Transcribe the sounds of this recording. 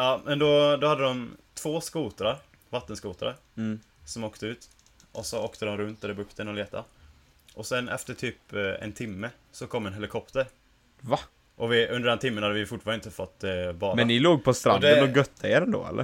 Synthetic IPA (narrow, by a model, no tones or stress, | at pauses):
ɑːmʔɛnd̪ɔd̪ɔhad̪ːəd̪ɔmt̪ʰv̥oːskuːt̪ɾaɾ | vat̪ːənskuːt̪ɾa̰ɾ | sɔmoːkt̪ʰəʉ̟ːt̪ | ʔɔsɔoːkt̪əd̪ɔmɾɵnt̪ɛɛbɵkt̪ʰənɔleːt̪a̰ | ʔɔsɛnʔɛ̰ft̪əʈʰyːpɛ̰nt̪ʰɪmːə | sɔkʰɔmːɛnɦɛlɪkʰɔpt̪əɾ | va | ʔɔvɪʔɵnd̪əɖɛnt̪ʰɪmːənhad̪əvɪfʊʈfɑːɾaɪnt̪əfɔt̪ːbɑːmɛnnːɪloːɡ̚pʰɔst̪ɾad̪ɛəɔɡœt̪ʰːaeːɾɛnd̪o̰ːɛ̰lːʔə̰